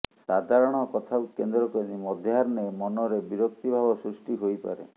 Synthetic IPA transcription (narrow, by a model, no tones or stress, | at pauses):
sad̪ʱaɾɔɽ̃ɔkɔt̪ʰawkend̪ɾɔkɔnimɔd̪ʱjɦaɾɔnemɔnɔɾebiɾɔkt̪ibʱabɔsɾusʈiɦojpa̰ɾḛ